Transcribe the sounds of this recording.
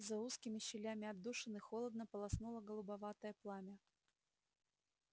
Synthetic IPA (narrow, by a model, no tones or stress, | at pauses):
zɐuskʲɪmʲɪɕːɪlʲamʲɪɐd̪ːuʂɨnɨxolˠəd̪̚nəpəlˠɐsnulˠəɡəlˠʊbɐvat̪əjəplˠamʲɐ